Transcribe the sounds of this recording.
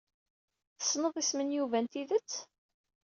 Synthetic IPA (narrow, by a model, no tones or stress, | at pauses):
θə̥sˤːnəðˤismənjuvænt̪iðət͡sː